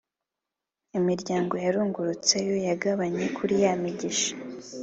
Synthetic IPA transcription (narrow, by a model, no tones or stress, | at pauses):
imiɾɟaːŋɡo̞jaɾuːŋɡuɾut͡se̞jo̞jaɡaβaɲe̞kʰuɾijamiɟiʃḁ